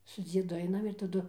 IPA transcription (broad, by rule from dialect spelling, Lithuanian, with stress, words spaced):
sʊ ˈd͡zʲiɛdʊ ˈɐɪnɐm ɪr tɐˈdʊ